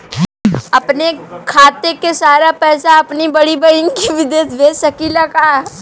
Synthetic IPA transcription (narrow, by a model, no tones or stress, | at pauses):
ɐpnekʰaːt̪ekesaːɾapɛːsaɐpnibɐɽibɐɽiŋkiʋɪd̪eːt̪beːsɐkilɐkaɛ